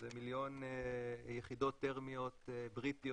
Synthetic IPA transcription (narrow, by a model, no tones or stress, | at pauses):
zemiljo̞n | jeχid̪o̞t̪ːeʁmio̞t̪bʁit̪io